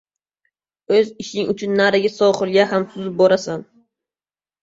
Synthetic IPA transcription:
ɵzɪʃɪŋʔʊt͡ʃʰʊnːaɾɪɡʲasɒχɨlˠɡʲaɦamsʊzɪp̚bɒɾasan

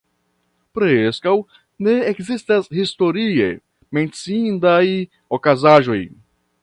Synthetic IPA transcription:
pɾeskaw | neekzist̪ashist̪oɾiḛ | mẽnt͡sĩnd̪aj | okazaʒoj

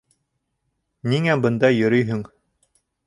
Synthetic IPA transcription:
niŋæbɤ̆nd̪ɑjɵ̆ɾɵjɦɵŋ

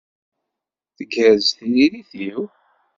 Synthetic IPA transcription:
θəɡəɾzθəniɾiθiw

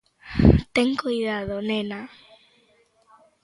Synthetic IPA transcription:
t̪eŋkujðaðonena

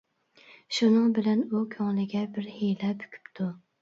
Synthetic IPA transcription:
ʃunɨŋbɪlɛnukʲʰɑŋlɪɡʲɛbɪɾhejlɛby̥kʲʰy̥pt̪ʰu

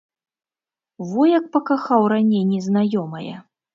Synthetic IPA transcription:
vɔjɐk̚pɐkaxawɾanʲejnʲɛznajɔmɐjɛ̰

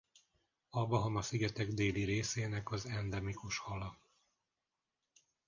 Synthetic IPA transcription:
ɒbɒɦɒmɒsiɡɛt̪ɛɡd̪eːliɾeːseːnɛkɒzɛnd̪ɛmikuʃhɒlɒ

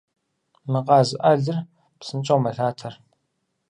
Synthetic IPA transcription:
mɨqɑːzɨʔɐɮɨr | psɨnt͡ʃʼɐwmɐɬaːtʰɐr

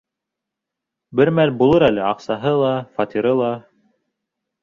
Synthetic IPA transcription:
bɘɾmælbulˠɤɾælɘɑqsɑɦɤlˠɑfɑt̪ʲiɾɤlˠɑ

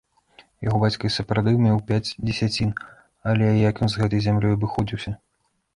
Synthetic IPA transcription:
jaɣɔbat͡sʲkɐjsɐpɾawd̪ɨmʲɛwpʲad͡zʲd͡zʲɪsʲat͡sʲin | ɐlʲɛjɐkjɔnzɣɛt̪ɐjzʲamlʲɔjɐbɨxɔd͡zʲiwsʲɐ

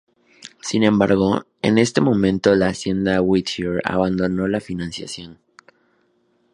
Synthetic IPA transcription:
sinẽ̞mbaɾɣ̞o̞ | e̞̰ne̞st̪e̞mõ̞mẽ̞nt̪o̞laːsje̞nd̪awit̪iɾa̰βand̪o̞no̞lafinãnsja̰sjo̞n

